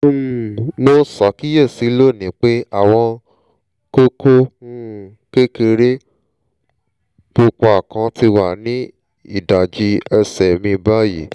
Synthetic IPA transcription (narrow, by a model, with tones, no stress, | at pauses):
no˦sɔ˨˦ki˦je˦˨si˨˦lo˦˨nĩ˨˦k͡pe˦a˦˨w̃ɔ̃˧ | ko˦kõ˦˨ | ke˦ke˧ɾe˦ | bo˧kɔ˧a˨kã˧˦ti˧wa˦˨nĩ˦ | i˦˨da˨d͡ʒi˧˦ɛ˧sɛ˨mĩ˧ba˦ji˨